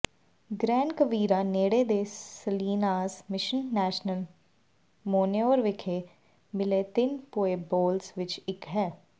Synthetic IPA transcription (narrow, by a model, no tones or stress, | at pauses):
ɡɾɛ̃ːɳkəʋiːɾaːneːɽeːd̪eːsəliːnaːzmɪʃənːɛːʃnəl | moːneoːɾʋɪkʰeː | bɪleːt̪ɪnpoːeːboːlsʋɪt͡ʃɪkɦɛː